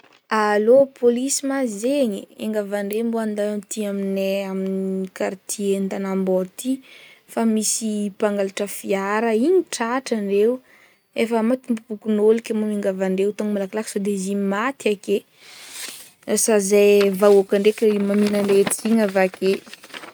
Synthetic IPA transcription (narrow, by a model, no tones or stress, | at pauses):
alopʰolisimazeɲieŋɡavaɳɖ͡ʐemboand̪at̪iaminɛaminikaɾt̪ʰient̪anambot̪ifamisipaŋɡalaʈ͡ʂəfiaɾəiɲiʈ͡ʂaʈ͡ʂaɳɖ͡ʐew | efəmat̪imbupukunolikʲamomiŋɡavaɳɖ͡ʐewt̪oŋmalakalaksod̪ezimimat̪iake | sazajvaokaɳɖ͡ʐekemaminaneʈ͡ʂiɲavake